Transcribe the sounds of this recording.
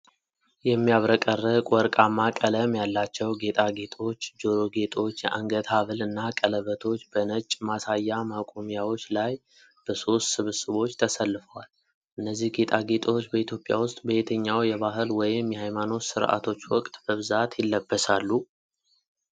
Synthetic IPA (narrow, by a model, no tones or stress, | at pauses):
jɛmːijaβɾəkʼərːɨkʼɔɾkʼamːakʼələmjalːat͡ʃːɛwɡe̞t̪ʼaɡe̞t̪ʼo̞t͡ʃːd͡ʒo̞ɾo̞ɡe̞t̪ʼo̞t͡ʃːjɛʔa̰ŋɡət̪ʰaβɨlɨnːakʼələβət̪ʰo̞t͡ʃːbənət͡ʃʼmasajːamakʼomijawo̞t͡ʃːlaj | b̥əso̞st̪sɨβsɨβo̞t͡ʃːt̪ʰəsəlːɨfəwal | ʔɨnːəzːihɡe̞t̪ʼaɡe̞t̪ʼwot͡ʃːbəit̪ʰjo̞pʼja̰wʊst̪ʼbəet̪ʰəɲːawjɛβaɦɨlwɔjɪmjɛhajmano̞sɨɾʔa̰t̪ʰo̞t͡ʃːwɔkʼt̪ʼbəβɨzat̪ʰjɪlːəbːəsalːu